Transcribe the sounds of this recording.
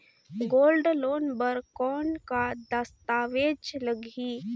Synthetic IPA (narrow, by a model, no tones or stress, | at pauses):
ɡoːlɖloːnbəɾkɔːnkad̪əst̪aːʋeːd͡ʒləɡiː